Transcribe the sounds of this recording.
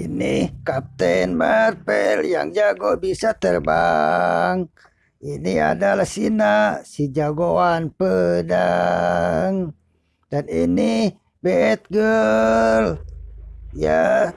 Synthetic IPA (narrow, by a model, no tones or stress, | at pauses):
inikap̚t̪ɛnmarpɛlja̰ŋd͡ʒaɡobisat̪ərba | ŋ | inia̰dalahsinaʔsid͡ʒaɡoanpəda | ŋ | danini | bɛɛt̪̚ɡə | l | ja